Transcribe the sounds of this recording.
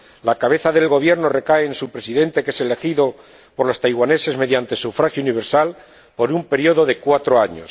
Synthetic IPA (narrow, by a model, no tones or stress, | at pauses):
lakaβ̞e̞θaðe̞lɣo̞βje̞ɾno̞re̞kaeːnsupɾe̞siðe̞nt̪e̞ke̞se̞le̞xiðo̞ | po̞ɾlo̞st̪ajɣwane̞se̞zme̞ðjant̪e̞sufɾaxjouniβ̞e̞ɾsal | po̞ɾumpe̞ɾjo̞ðo̞ðe̞kwat̪ɾo̞aɲo̞̰s